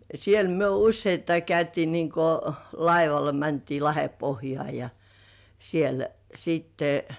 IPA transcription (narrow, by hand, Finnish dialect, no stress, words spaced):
siel myø usːeitːɑi kæytiː niŋko lɑiʋɑlɑ mæntiː lɑhepohjŏɑˑ jɑ siel siːtːe